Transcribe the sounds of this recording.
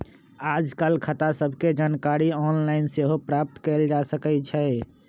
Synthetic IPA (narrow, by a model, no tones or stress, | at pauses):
ad͡ʒkəlkʰət̪asəbʱked͡ʒankaɾiɔnlaɪnseɦopɾap̚t̪kɛɪld͡ʒasəkɛt͡ʃʰɛ